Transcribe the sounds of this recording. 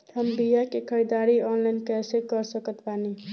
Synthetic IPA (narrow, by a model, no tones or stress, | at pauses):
həmbijakekʰəɾid̪aɾiɔnlajnkɛsekəɾsəkət̪pani